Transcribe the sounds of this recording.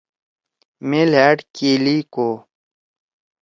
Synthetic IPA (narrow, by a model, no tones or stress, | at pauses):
melaːʈkiːliːkoː